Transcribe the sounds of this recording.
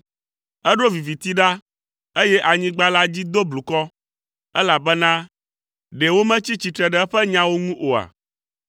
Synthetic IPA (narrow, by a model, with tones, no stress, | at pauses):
ɛ˦ɖo˦vi˨vi˨t̪i˦ɖa˦ | e˦jɛ˦ʔa˨ɲĩ˦ɡ͡ba˦la˦d͡ʑi˦d̪o˦blu˨kɔ˦ | ɛ˦la˨bɛ˦nã˦ | ɖe˨wo˦mɛ̃˦t͡ɕi˦t͡ɕi˨t̪ɾɛ˨ɖɛ˨ɛ˦ɸɛ˦ɲã˦wo˦ŋũ˦ʔo˨a̰˨